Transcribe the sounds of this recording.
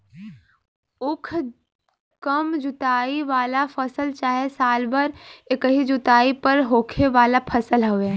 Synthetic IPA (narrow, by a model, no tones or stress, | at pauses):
ʊkʰ | kəmd͡ʒʊt̪aːiʋaːlapʰəsəlt͡ʃaːɦesaːlbəɾekəɦid͡ʒʊt̪aːipəɾɦoːkʰeʋaːlapʰəsəlɦoʋe